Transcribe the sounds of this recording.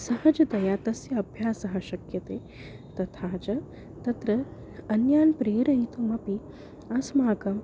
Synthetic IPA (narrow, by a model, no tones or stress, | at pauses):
sɐɦɐd͡ʒɐt̪ɐjaːt̪ɐsjɐɐbʱjaːsɐɦɐɕɐkjɐt̪eː | t̪ɐt̪ʰaːt͡ʃɐ | t̪ɐt̪ɾɐ | ɐnjaːnpɾeːɾɐit̪ʰumɐpi | ɐsmaːkɐm